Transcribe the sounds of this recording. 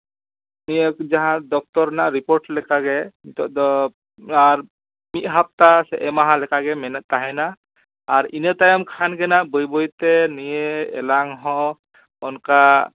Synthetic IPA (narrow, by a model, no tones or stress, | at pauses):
nijɛd͡ʒaɦãd̪ɔk̚t̪ɔɾnaɾipoɾʈlɛkaɡɛt̪ɔdɔ | aɹ | mit̪̚ɦap̚t̪asɛʔɛmaɦãlɛkaɡɛmɛnɛt̪̚ːaɦɛnaː | ɹinet̪ajɔmkʰanɡɛnaʔbojbojt̪ɛnijeɛ̰laŋɦɔ̃ | ɔnka